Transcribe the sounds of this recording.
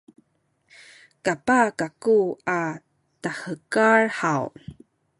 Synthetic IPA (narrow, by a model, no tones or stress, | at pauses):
kapakakua | tahəkarħaw